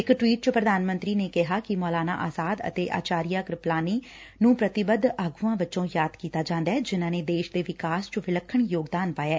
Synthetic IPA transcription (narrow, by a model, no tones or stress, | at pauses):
ɪkʈwiːʈ̚t͡ʃəpɾəd̪aːnmə̃nt̪ɾiːneːkɪɦaːkɪmɔːlaːna̰ːʔaːzaːd̪ə̰t̪eːʔa̰ːt͡ʃaːɾijaːɡɾɪplaːniː | nũːpɾət̪ɪbəd̪aːɡuːãːʋɪtt͡ʃõːjaːd̪kiːt̪aːd͡ʒãːnd̪aɛːd͡ʒɪnãːneːd̪eːʃd̪eːʋɪkaːst͡ʃəʋɪləkʰːəɳjoːɡd̪aːnpaːjaː